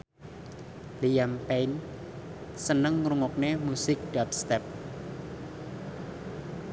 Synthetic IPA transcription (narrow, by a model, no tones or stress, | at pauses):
lijampejn | sənəŋɾuŋɔk̚nemusɪk̚d̥ap̚st̪ɛp̚